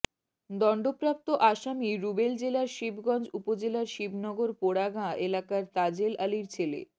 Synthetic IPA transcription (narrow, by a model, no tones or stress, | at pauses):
d̪ɔɳɖopɾap̚t̪oʔaʃamiɾubeld͡ʑelaɾʃibʱɡɔnd͡ʑupod͡ʑelaɾʃibʱnɔɡoɾpoɽaɡaelakaɾt̪ad͡ʑelʔaliɾt͡ɕʰelḛ